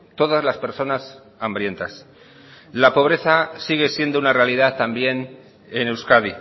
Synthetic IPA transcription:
t̪o̞ð̞azlaspe̞ɾso̞nas | ambɾje̞nt̪as | lapo̞βɾe̞θasiɣ̞e̞sje̞nd̪ounare̞alið̞at̪ambje̞n | ene̞wskaði

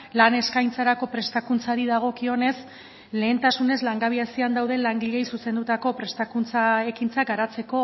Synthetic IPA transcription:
lane̞skajnt͡saɾako̞pɾe̞st̪akunt͡saɾiðaɣ̞o̞kio̞ne̞s | le̞ːnt̪asune̞zlaŋɡaβiasiand̪awð̞e̞laŋɡiʎe̞jsuse̞nd̪ut̪ako̞pɾe̞st̪akunt͡sae̞kint͡sakɡaɾat͡se̞ko̞

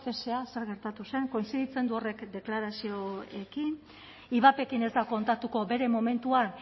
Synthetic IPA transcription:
fe̞sease̞ɾɣe̞ɾt̪at̪use̞ŋko̞insiðit͡se̞nd̪uo̞re̞kd̪e̞klaɾasio̞e̞kin | iβ̞ape̞kine̞zd̪ako̞nt̪at̪uko̞βe̞ɾe̞mo̞me̞nt̪uan

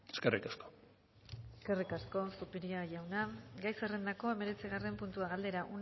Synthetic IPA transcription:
e̥skerḭkasko | eskerikasko̞supeɾiaʝawnaɡajserend̪ako̞e̞me̞ɾe̞t͡siɣ̞are̞mpunt̪uaɣald̪e̞ɾaʔun

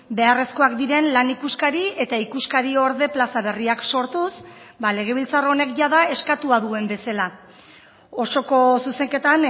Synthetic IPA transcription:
be̞are̞sko̞akd̪iɾe̞nlanikuskaɾie̞t̪aikuskaɾio̞ɾðe̞plasaβ̞e̞riakso̞ɾt̪usbale̞ɣ̞e̞β̞ilt͡sarone̞kʝaðae̞skat̪uaðue̞mbe̞sala | o̞so̞ko̞suse̞ŋke̞t̪an

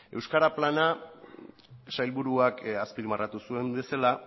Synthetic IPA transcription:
e̞wskaɾaplana | sajlβuɾuakaspilmarʔat̪usue̞mbe̞sala

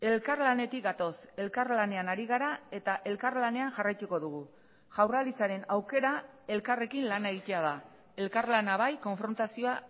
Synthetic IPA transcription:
e̞lkarlane̞t̪ik̚ɡat̪o̞se̞lkaɾlane̞anaɾiɣ̞aɾae̞t̪aʔe̞lkarlane̞aŋʝarajt̪uko̞ðuɣ̞u | ʝawralit͡saɾe̞nawke̞ɾa | e̞lkare̞kinlanae̞ɣit̪e̞að̞a | e̞lkaɾlanaβajko̞ɱfɾo̞nt̪asio̞a

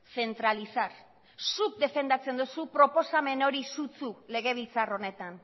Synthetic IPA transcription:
se̞nt̪ɾalisaɾ | suk̚d̪e̞fe̞nd̪at͡se̞nd̪usupɾo̞po̞same̞no̞ɾisut͡sule̞ɣ̞e̞β̞ilt͡saro̞ne̞t̪an

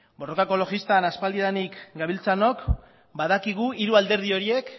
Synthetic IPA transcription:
bo̞ro̞kako̞lo̞ɣist̪anaspald̪iðanikɡaβilt͡sano̞k | baðakiɣ̞uiɾuald̪e̞ɾðio̞ɾie̞k

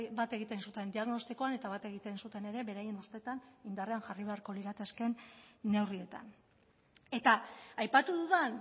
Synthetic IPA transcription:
bat̪e̞ɣ̞it̪e̞nsut̪e̞nd̪iaɣno̞st̪iko̞ane̞t̪aβat̪e̞ɣ̞it̪e̞nsut̪e̞ne̞ɾe̞βe̞ɾaje̞nust̪e̞t̪anind̪areanʝariβ̞e̞aɾko̞liɾat̪eske̞nːe̞wrie̞t̪a̰n | e̞t̪aajpat̪uðuðen

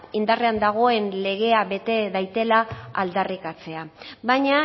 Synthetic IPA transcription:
ind̪areand̪aɣ̞o̞e̞nle̞ɣ̞e̞aβe̞t̪e̞ðajt̪e̞laa̰ld̪arikat͡se̞abaɲa

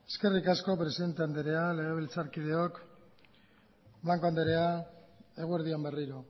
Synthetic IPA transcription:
e̞ske̞rikasko̞pɾe̞siðe̞nt̪eand̪eɾe̞ale̞ɣ̞e̞β̞ilt͡saɾkið̞e̞o̞k | blaŋko̞and̪eɾe̞ae̞ɣ̞ue̞ɾðiombe̞riɾo

